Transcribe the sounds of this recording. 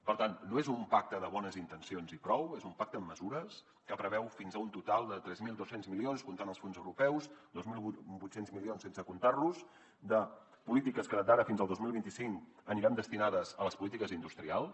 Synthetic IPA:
pəɾt̪anːoezumpak̚t̪əðəβɔnəzint̪ənsionzipɾɔwezumpak̚t̪əːmːəzuɾəs | kəpɾəβɛwfinzəunt̪ut̪alˠd̪ət̪ɾɛzmilˠd̪osenzmilionskunt̪anəlˠsfonzəwɾupɛwzd̪ozmilˠbut̪senzmilionsensəkunt̪arluz | d̪ə | pulit̪ikəskəd̪aɾəfinzəlˠd̪ozmilˠβint̪isiŋkəniɾand̪əst̪inaðəzələspulit̪ikəzind̪ust̪ɾialˠs

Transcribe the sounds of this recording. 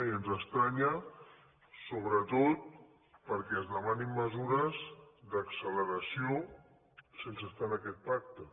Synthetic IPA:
iənzəst̪ɾaɲə | soβ̞ɾət̪ot̪̚ | pəɾkɛəzðəmanimːəzuɾəzd̪əksələɾəsio | sensəst̪anəkɛt̪̚pak̚t̪ə

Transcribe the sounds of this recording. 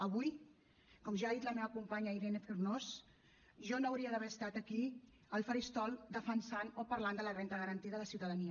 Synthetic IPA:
əβuj | kɔmʒaːðit̪ləmeβəkumpaɲəiɾenefirnos | ʒɔnoːwɾiəðəβɛɾəst̪at̪əki | əlˠfəɾist̪ɔlˠd̪əfənsanopəɾland̪ələrɛnt̪əɣəɾənt̪iðəðəsiwt̪əðəniə

